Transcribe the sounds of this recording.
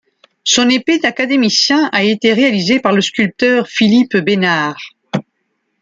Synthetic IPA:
sɔ̃neped̪akad̪emisjɛ̃ʔaet̪eʁealizepaʁləskʲylp̚t̪œʁfilipbenaʁ

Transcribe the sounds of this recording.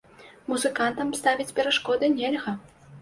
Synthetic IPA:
muzɨkant̪ɐmst̪avʲit͡sʲpʲɛɾaʂkɔd̪ɨnʲɛlʲɣɐ

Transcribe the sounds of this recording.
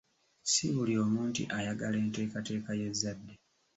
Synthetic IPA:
siβulio̞ːmuːntḭʔajaɡale̞ːnte̞ːkate̞ːkaje̞zːadːe

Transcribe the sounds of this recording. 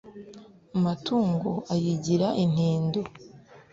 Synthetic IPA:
amatuːŋɡoʔajiɟiɾaʔin̥hiːndo

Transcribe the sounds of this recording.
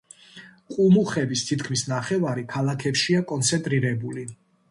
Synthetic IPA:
qʼumuχɛbist̪ʰit̪ʰkʰmisnaχɛvaɾikʰalˠakʰɛpʃiakʼɔnt̪sʰɛnt̪ʼɾiɾɛbuli

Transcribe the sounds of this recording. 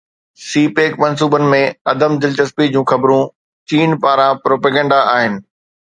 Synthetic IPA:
siːpeːkmɐns̬uːbənɪ̆mẽɐd̪əmd̪ɪlt͡ɕɐspid͡ʑũːxɐbɾũ | t͡ɕiːnpaːɾãpɾoːpeːɡɛ̃ːɳɖaʔaːɦɪnɪ̆

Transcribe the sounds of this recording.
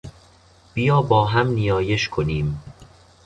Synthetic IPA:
b̥ijɒːbɒːɦæmnijɒːje̞ʃkʰoniːm

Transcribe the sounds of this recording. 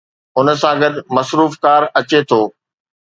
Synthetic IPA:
ʊnə̆s̬ãɡɐd̪mɐsɾuːfkaːɾɐt͡ɕet̪ʰoː

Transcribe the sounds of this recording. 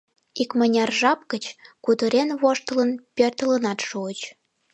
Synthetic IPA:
ikmənʲɑrʒɑp̚kət͡ɕkut̪əɾenβoʃt̪ɤ̆lə̆npʲørt̪ə̆lə̆nɑt̪ʃuət͡ɕ

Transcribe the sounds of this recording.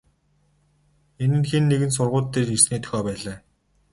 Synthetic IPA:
enɘ̆nxenːeɣɘ̆ns̬ʊrʁʊːt̪ʰːerirsniːt̪ʰœ̥xʲɔːpæːɮaː

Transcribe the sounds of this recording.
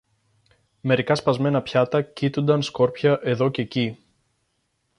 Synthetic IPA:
me̞ɾikɐspɐzme̞nɐpçɐt̪ɐcit̪und̪ɐnsko̞ɾpçɐʔe̞ðo̞ce̞ci

